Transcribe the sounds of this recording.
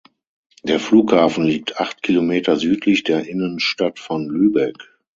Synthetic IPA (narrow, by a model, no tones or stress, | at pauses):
d̥eːɐfluːkhaːfn̩liːk̚tʰʔaχtkʰilomeːtɐzyːtʰlɪçd̥eːɐʔɪnənʃtatfɔnlyːbɛk